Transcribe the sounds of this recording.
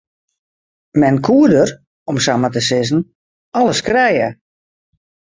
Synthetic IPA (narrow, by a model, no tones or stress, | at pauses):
mɛnkʰuədər | ɔmsamətəsɪzn̩ | aləskrɛjə